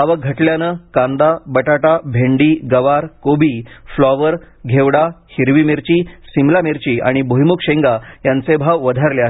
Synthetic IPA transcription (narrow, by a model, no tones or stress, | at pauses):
aʋəɡʱəʈljanəkãnd̪abəʈaʈabʱeɳɖiːɡəʋaɾkobiːflɔʋəɾ | ɡʱeʋɽahiɾʋimeɾt͡ɕiːsimlameɾt͡ɕiːa̰ɽ̃iboɦjmukɕeŋɡajãnt͡sebʱaʋʋəd̪ʱaɾleaɦ